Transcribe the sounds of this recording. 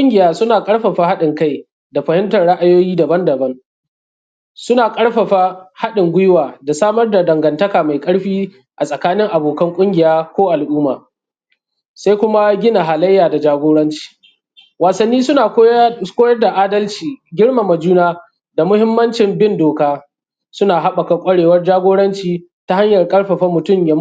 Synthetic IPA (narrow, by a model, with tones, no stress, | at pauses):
ʊ˦ŋɡʲɪ˨jaː˦sʊ˦naː˨kʼɐ˦ɽɸɐ˨ɸa˦ha˦ɗɪ˨ŋka˦j | da˨ɸɐ˨hɪ˦mtɐ˨nɽa˦ʔa˦joː˦jiː˦da˨bɐ˦ndɐ˨bɐ˦ŋ | sʊ˦naː˨kʼɐ˦ɽɸɐ˨ɸa˦ha˦ɗɪ˨ŋɡʷʊ˦jwaː˨da˨saː˦mɐ˦rda˨dɐ˨ŋɡɐ˨ntɐ˦kaː˨ma˨jkʼɐ˦ɽɸiː˦ | ʔa˨sʼɐ˨kaː˦nɪ˦ŋʔa˨boː˨kɐ˦ŋkʷʼʊ˦ŋɡʲɪ˨jaː˦kʷoː˦ʔa˨lʔuː˦maː˨ | sa˦jkʷʊ˦ma˦ɡʲɪ˦na˨ɦa˨lɐ˦jːaː˨da˨d͡ʒaː˦ɡʷoː˦ɽɐ˦nt͡ʃi̥ː˨ | waː˨sɐ˨nːiː˦sʊ˦naː˨˦kʷoː˦jɐ˦rda˨ʔaː˦dɐ˦lt͡ʃiː˨ɡʲɪ˦ɽma˨mɐ˨d͡ʒuː˦naː˦ | da˨mʊ˦hɪ˦mːɐ˦nt͡ʃɪ˨mbɪ˦ndoː˨kaː˦ | sʊ˦naː˨ɦa˦ɓɐ˨ka˨kʷʼɐ˦ɽeː˨wɐ˦rd͡ʒaː˦ɡʷoː˦ɽɐ˦nt͡ʃiː˨ | ta˦ha˦ɲjɐ˨rkʼɐ˦ɽɸɐ˨ɸɐ˦mʊ˨tʊ˦˨mja˦